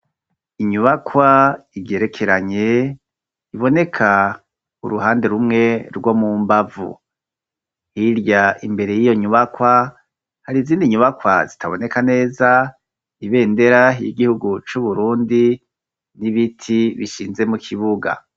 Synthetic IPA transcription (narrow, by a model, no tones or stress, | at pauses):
iɲuβakʰwaije̞ɾe̞kʰe̞ɾaɲe̞ | iβo̞ne̞kʰa | ṵɾuɦaːnde̞ɾumŋe̞ɾɡwo̞mumbavṵ | hiɾjaʔimbe̞ɾe̞jijo̞ɲuβakwa | haɾiziːndiɲuβakwa̰zitʰaβo̞ne̞kane̞ːza | iβe̞ːnde̞ɾaɦijiɡihuɡut͡ʃuβuɾuːndi | niβitʰiβiʃiːnze̞mukʰiβuɡa̰